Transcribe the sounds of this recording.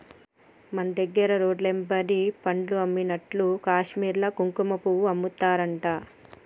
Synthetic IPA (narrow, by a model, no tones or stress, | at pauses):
mɐnɐd̪ɐɡːɐɾɐɾoːɖlembɐɾipɐɳɖluɐmːinɐʈlukaːʂmiːɾlɐkuŋkumɐpuwuɐmːut̪ːaːɾɐɳʈaː